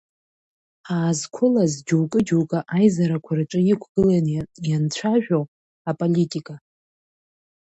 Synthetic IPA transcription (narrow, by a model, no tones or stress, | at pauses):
aːzkʷʰʊlazd͡ʒuwkʼɨd͡ʒowkʼaʔajzaɾakʷʰaraʈ͡ʂʷʼɨjikʷʰɡ̥ɨlanjant͡ɕʷʰaʒᶣow | apʼolitʼikʼa